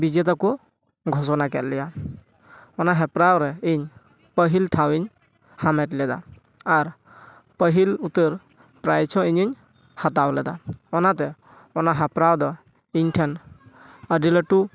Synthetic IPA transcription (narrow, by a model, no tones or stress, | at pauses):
bid͡ʒɛt̪akɔ | ɡʱɔsɔnakɛt̪̚lɛja | ɔnaɦɛpɾawɾɛiɲ | pəɦilʈʰawiɲ | hamɛtlɛd̪aː | ɾ | pəɦilut̪əɾ | pɾajt͡ʃʰɔ̃iɲiɲ | hat̪̬awlɛd̪a̰ɔnat̪ɛ | ɔnaɦɛpɾawd̪ɔ | iɲʈʰɛn | əɖilɔʈu